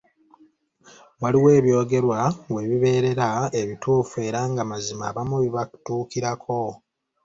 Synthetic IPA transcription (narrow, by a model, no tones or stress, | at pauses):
waliwe̞ːβjo̞ːɡe̞ɾwawe̞βiβe̞ːɾe̞ɾae̞βituːfue̞ːɾaːŋɡamazima̰ːβamuβiβaku̥tuːkiɾakʰo̞